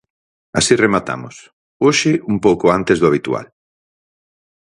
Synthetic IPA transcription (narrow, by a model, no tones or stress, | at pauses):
a̰siremat̪a̰mʊ̰s | oʃɪumpowkʊant̪ɪzðʊaβit̪ua̰l